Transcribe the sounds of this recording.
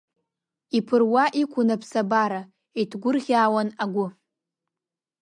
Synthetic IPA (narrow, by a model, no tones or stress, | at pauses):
ipʰɨrwaʔikʷʰʊnapʰsabaɾa | itʰɡʷʊrʁʲaːwanaɡʷʊ